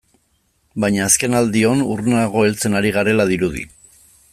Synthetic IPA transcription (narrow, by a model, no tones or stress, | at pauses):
bajɲaːske̞nald̪io̞nurnaɣ̞o̞e̞lt͡se̞naɾiɣ̞aɾe̞lað̞iɾuð̞ḭ